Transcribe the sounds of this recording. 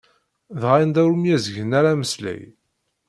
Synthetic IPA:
ðʁajənd̪æwɾumjæzəʝənæɾæməslæ̰j

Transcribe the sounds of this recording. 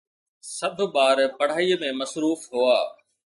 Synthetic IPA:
sɐbʱɓaːɾpɐɽ̤aːiːmẽmɐsɾuːfɦʊaː

